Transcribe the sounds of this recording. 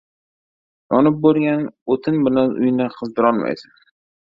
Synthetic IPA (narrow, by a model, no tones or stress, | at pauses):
jɒnɪp̚boɾˠɡʲanot̪ʰɪnbɪlanʔʊ̰jnɪqʰɨzd̪ɪɾɒnma̰jsɪn